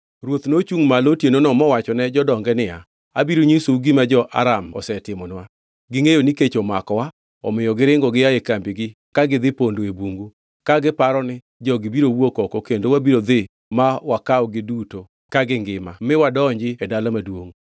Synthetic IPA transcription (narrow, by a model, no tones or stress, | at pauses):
ɾwot̪not͡ʃuŋmalotjenonɔmɔwat͡ʃɔnɛd͡ʒɔdɔŋɡɛnɪa | abiɾoɲisuɡɪmad͡ʒɔʔa̰ɾamɔ̰sɛtɪmɔnwa | ɡɪŋejoniket͡ʃomakɔwa | ɔ̰mɪjɔɡɪɾɪŋɡɔɡɪjaekambiɡɪ | kaɡɪd̪ɪpondoebuŋɡu | kaɡɪpaɾɔnɪ | d͡ʒɔɡɪbiɾowokɔkokendowabiɾod̪ɪ | mawakaɔɡɪduto | kaɡɪŋɡɪmamɪwadɔɲd͡ʒɪɛdalamadwoŋ